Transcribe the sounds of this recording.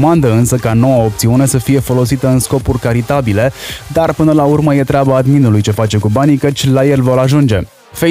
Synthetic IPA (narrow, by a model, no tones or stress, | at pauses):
mand̪əɨnsəkano̞wəop̚t̪siune̞səfije̞fo̞lo̞sit̪əɨnsko̞purʲkaɾit̪abile̞d̪arpɨnəlaurməje̞t̪ɾʲeabaːd̪minulujt͡ʃe̞fat͡ʃe̞kubanikət͡ʃʲlajelvo̞ɾaʒund͡ʒe̞ | fe